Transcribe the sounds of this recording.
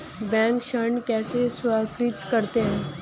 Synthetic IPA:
bɛ̃ːŋkʃəɳkɛːseswaːkɾɪt̪kəɾt̪eɦɛ̃ː

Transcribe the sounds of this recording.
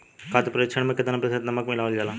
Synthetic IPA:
kaːt̪pɾeːt͡ʃʰəɽ̃mẽkɪd̪anapɛsenɐməkmɪlaːʋəld͡ʒaːlã

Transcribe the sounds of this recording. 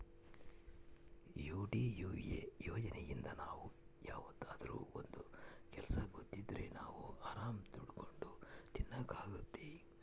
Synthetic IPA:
juːɖiːjuːjḛjɔːd͡ʒɐnɛjind̪ɐnaːʋujaːʋɐd̪ːaːd̪ɐɾṵːond̪ukɛlɐsɐɡot̪ːid̪ɐɾe̞naːʋuaːɾaːmt̪uɽko̞ɳɖut̪inːaɡaːɡut̪ːi

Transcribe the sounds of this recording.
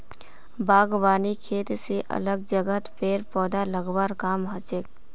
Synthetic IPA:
baːɡʋaːnikʰeːt̪seʔɐ̰ləɡ̚d͡ʒəɡət̪peːɾpɔːd̪aləɡbaːɾkaːmɦat͡ʃek

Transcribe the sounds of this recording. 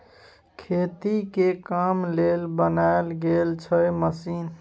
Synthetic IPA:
kʰet̪ikekamlelbənaelɡelt͡ʃʰəməsin

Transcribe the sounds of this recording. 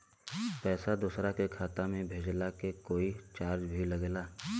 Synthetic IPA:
pɛːsad̪uːsɾakekʰaːt̪amẽbʱeːd͡ʒlakekoːit͡ʃaːɾd͡ʒbʱiləɡlaː

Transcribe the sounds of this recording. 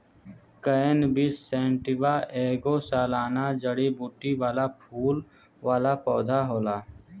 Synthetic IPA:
kəenbisːeːɳʈiʋaʔeːɡoːsaːlaːnaːd͡ʒəɽibuːʈːiʋaːlapʰuːl | ʋaːlaːpɔːd̪ʱaɦoːlaː

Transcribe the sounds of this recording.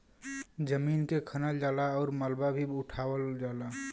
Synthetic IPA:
d͡ʒəminkekʰənəld͡ʒalaɔːɾməlbabʱiuʈʰawəld͡ʒala

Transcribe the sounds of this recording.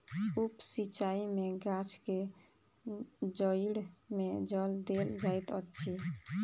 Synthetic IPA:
upsit͡ʃaimeɡat͡ʃke | d͡ʒəiɽmed͡ʒəld̪eld͡ʒajt̪ətːt͡ʃʰi

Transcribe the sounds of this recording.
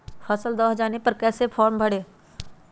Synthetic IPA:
fʰəsəld̪ɔːɦd͡ʒaːnepɐɾkɛːsepʰɔːɾmbʱəɽeː

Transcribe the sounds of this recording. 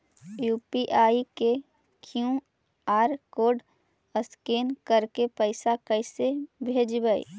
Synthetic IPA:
juːpiʔaːike | kʰijũ | aːɾkoːɖ | əskeːnkəɾkepəɪsakəɪsebʱeːd͡ʒbəḭ

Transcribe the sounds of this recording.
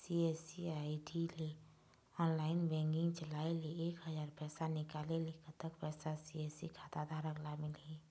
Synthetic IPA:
siesiaiʈile | ɔːnlaːɪnbɛ̃ːŋɡɪ̃ŋɡt͡ʃəlaːeleeːkɦəzaːɾpɛːsanɪkaːlelekət̪əkpɛːsasieːsikʰat̪ad̪ʱaɾəklamɪli

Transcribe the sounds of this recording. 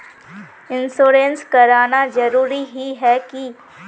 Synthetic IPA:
ɪ̃nsoːɾenskɐɾaːnad͡ʒɐɾuːɾiɦiɦɛki

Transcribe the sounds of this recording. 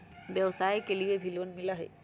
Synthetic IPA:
bjɛwsaːjkeliebʱilonmilaɦɛ̰

